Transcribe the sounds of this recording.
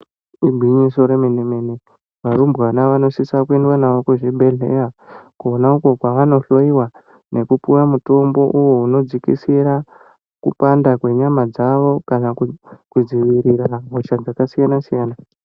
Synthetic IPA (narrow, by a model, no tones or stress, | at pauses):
iɡʱiɲiso̞ɾemenemene | ʋaɾumbanaʋano̞sisakuendwanaʋokuʐibʱe̞ɮḛrakuonauko̞kwaʋano̞ɬo̞iwa | ne̞kupujamuto̞mbo̞ʔujouno̞d͡zikḭsiɾa | kupandakwe̞ɲamad͡zaʋo̞kanakkud͡ziʋiɾiɾaɦot͡ʃad͡zakasijanasijaːna